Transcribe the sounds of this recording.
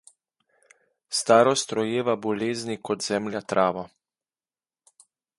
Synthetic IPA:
st̪aːɾɔst̪ɾɔjeːʋabɔleːznikɔd̪zɛmlʲjat̪ɾʔaːʋɔ

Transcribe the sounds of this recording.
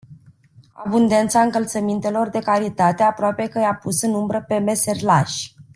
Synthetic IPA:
a̰bund̪e̞nt̪saɨŋkəlt̪səmint̪e̞lo̞rd̪e̞kaɾit̪at̪e̞apɾoape̞kəjapusɨnumbɾəpe̞me̞serlaʃ

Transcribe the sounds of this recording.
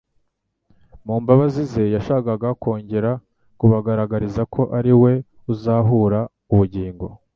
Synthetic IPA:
muːmbaβazize̞jaʃaːkaɡako̞ːɲɟe̞ɾa | kuβaɡaɾaɡaɾizakʰo̞ʔaɾiwe̞ | uzaːɦuɾa | uβuɟiːŋɡo̞̰

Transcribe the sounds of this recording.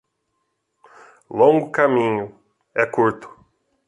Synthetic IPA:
lõŋɡʊkamĩɲʊ | ɛkuɾt̪ʊ̥

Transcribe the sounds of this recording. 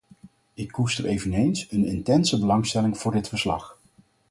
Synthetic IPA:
ɪkːustərejvənejnsənɪntɛnsəbəlɑŋstɛlɪŋv̥ʊːɹdɪtfəɹslɑ̰χ

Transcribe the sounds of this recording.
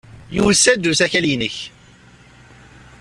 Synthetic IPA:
jṵwəsːæd̪uθæçæljənəç

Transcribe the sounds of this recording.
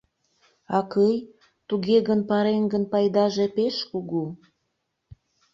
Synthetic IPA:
ɑkəj | t̪uɣeɣənpɑɾenɡənpɑjd̪ɑʒepeʃkuɣu

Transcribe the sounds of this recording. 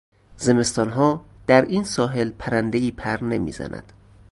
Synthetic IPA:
ze̞me̞st̪ɒːnɦɒːd̪̥æɾiːnsɒːɦe̞lpʰæɾænd̪e̞iːpʰæɾne̞mḭːzæ̰nʔæ̰d̪̥

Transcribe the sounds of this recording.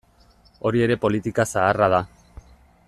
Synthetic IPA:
o̞ɾie̞ɾe̞po̞lit̪ikasaːraða

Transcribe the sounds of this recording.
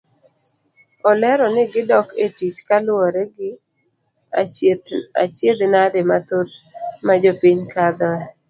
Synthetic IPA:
ɔlɛɾɔnɪɡɪdɔketit͡ʃkalʊɔɾɛɡɪ | a̰t͡ʃjed̪nademat̪otmad͡ʒopiɲkad̪ɔɛ

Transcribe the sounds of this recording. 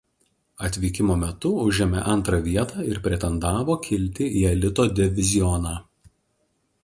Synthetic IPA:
ɐt̪ʲʋʲiːkʲɪmoːmʲɛt̪ʊʊʒʲɛmʲɛʔɐnˑt̪ɾɐʋʲiɛt̪ɑːɪɾpʲɾʲɛt̪ʲɛnd̪ɑːʋoːkʲʰɪlʲt̪ʲɪʔiːɐlʲɪt̪oːd̪ʲɪʋʲɪzʲɪjɔnɑː

